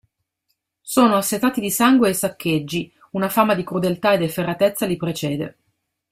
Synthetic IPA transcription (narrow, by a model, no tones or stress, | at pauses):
soːnoasːet̪aːt̪id̪isaŋɡweːsakːed͡ʒːi | unafaːmad̪ikɾud̪elt̪aed̪eferːat̪et̪sːalipɾet͡ʃɛːd̪ḛ